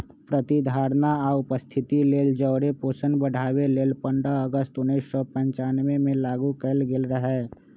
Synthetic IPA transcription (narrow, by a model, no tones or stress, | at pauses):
pɾət̪id̪ʱaːɾnaaːʊpəst̪ʰɪt̪ileːld͡ʒəːɾepoːsənbəɽ̤ʱaːweleːlpə̃ɳɖəəɡəst̪ʊniɪssɔpə̃ɲt͡ʃaːnʋemẽlaːɡukəlɡɪlɾəɦɛː